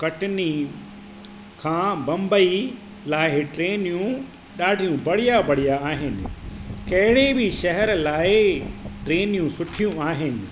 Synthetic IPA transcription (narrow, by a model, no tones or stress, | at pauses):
kɐʈɪni | kʰãːbɐ̃mbəi | laːɪɪʈɾeːnijũ | ɗaːɖʱijũbɐɽ̤ijabɐɽ̤ijaːɦɪnɪ̰̆kɐɦɪɽebɪʃɐɦɛɾlaːɪʈɾeːnijũsʊʈʰijũaːɦɪnɪ̆